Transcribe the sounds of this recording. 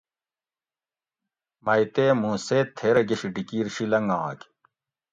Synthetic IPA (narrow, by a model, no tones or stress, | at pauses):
mɐjt̪eːmũːseːt̪ʰːeɾɐɡeɕiɖikiːɾɕilɐŋɡaːk